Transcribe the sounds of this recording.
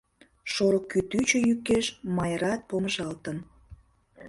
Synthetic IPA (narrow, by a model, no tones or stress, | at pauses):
ʃoɾokːyt̪yt͡ɕøjykːeʃmɑjəɾɑt̪̚poməʒɑlt̪ən